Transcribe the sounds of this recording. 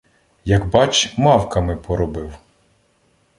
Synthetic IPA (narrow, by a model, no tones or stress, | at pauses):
jɐɡbɑt͡ʃmɑwkɐmɪpɔɾɔbɪw